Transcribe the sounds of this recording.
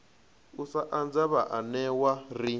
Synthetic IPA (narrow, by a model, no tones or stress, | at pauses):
usaʔand͡zaβaʔanɛwari